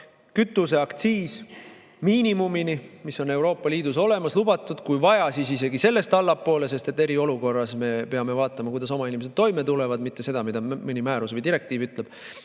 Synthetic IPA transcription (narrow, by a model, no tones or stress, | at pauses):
kyt̪ːˑuse̞ɑkt̪siːs | miːnimuminimiso̞ne̞wɾo̞ːpːˑɑliːd̪̥uso̞le̞mɑslubɑt̪ːˑud̪̥kujvɑjɑsisise̞ɡise̞lːe̞st̪ɑlːɑpːo̞ːle̞se̞st̪e̞t̪ːˑe̞ɾio̞luko̞rːɑsme̞peɑme̞vɑːt̪ːˑɑmɑkujd̪ɑs̬o̞mɑinʲimese̞d̪̚t̪ːo̞jme̞t̪ule̞vɑd̪mit̪ːˑese̞d̪̥ɑmid̪ɑmɨnimæːɾusvəjd̪iɾe̞k̚t̪iːvyt̪ˑle̞b̥